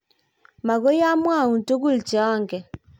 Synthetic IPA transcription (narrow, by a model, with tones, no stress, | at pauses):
ma˨ɣo˦ja˦mwa˦˨u˨nto˦ɣu˦lit͡ʃɛ˨ɔ˦ŋɡɛ˨